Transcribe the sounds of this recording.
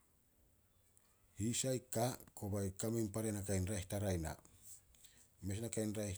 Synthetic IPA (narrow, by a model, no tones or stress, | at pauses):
hisajkako̞bajkamimpaɾenakajnɾajhtaɾajna̰ | me̞snakajnɾajh